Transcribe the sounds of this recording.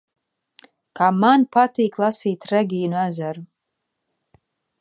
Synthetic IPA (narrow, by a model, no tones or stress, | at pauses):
kaːmanpat̪iːklˠasiːt̪rɛɡʲijnuæzaɾu